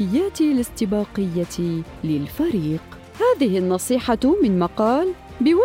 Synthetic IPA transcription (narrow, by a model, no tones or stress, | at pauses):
ɪjːaːt̪ɪlɪst̪ɪbɑːqɪjːa | lɪlfaɾiːq | haːðɪhɪnːɑsˤiːħɑmɪnmɑqɑːl | bɪwa